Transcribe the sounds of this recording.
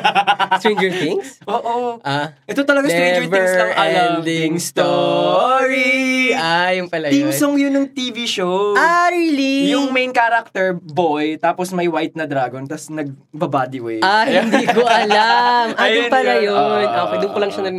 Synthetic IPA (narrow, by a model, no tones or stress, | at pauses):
t̪ɾĩnd͡ʒɛɹt̪ɪŋsʔoːʔoʔaʔɛt̪ot̪ɐlɐɡaŋĩnd͡ʒɛvɛŋɹsɐŋɐaiŋst̪o | ɹiajʊŋpɐlɐj̪msoŋjʊnːʊŋt̪iːviʃowʔaɹilijʊŋmejnkaɾɐk̚t̪ɛɹbojt̪aːposmɐjwajt̪̚nɐd̪ɾaːɡont̪ɐsnɐɡ̚ | bɐbad̪iwɛ̰jahɪnd̪iːkoʔɐlamʔajpɐllɐjonʔokojd̪ʊnkolɐŋʃɐnɐ